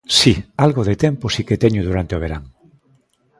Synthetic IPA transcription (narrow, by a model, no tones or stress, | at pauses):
sialɣoðet̪emposiket̪eɲoðuɾant̪eoβ̞eɾaŋ